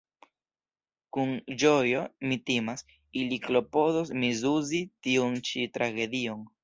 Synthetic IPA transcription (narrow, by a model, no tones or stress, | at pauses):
kund͡ʒojo̞mitimas | iliklo̞po̞dosmizuzitiont͡ʃitɾaɡe̞dioŋ